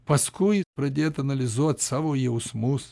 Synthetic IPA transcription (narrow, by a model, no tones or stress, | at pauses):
pɐskujpɾɐd̪ʲet̪ɐnɐlʲɪzot̪sɐʋojɛʊsmus